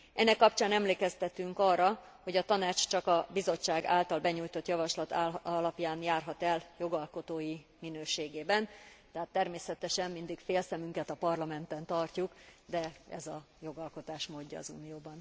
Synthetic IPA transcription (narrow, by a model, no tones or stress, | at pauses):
ɛnːɛkːɒpt͡ʃaːnɛmleːkɛst̪ɛt̪yŋkɒrːɒ | ho̞ɟɒt̪ɒnaːt͡ʃt͡ʃɒkɒbizo̞t͡ʃːaːɡa̰ːlt̪ɒlbɛɲuːjt̪o̞t̪jɒvɒʃlɒt̪lɒpjaːnjaːrɦɒt̪ɛljo̞ɡɒlko̞t̪oːjiminøːʃeːɡeːbɛnt̪ɛɦat̪ːɛrmeːsɛt̪ɛʃɛmmind̪ikfeːlsɛmyŋkɛt̪ɒpɒrlɒmɛnt̪ɛnt̪ɒrcukd̪ɛɛ̰zɒ | jo̞ɡɒlko̞t̪aːʃmoːɟːɒ̰ːzṵːnijoːbɒn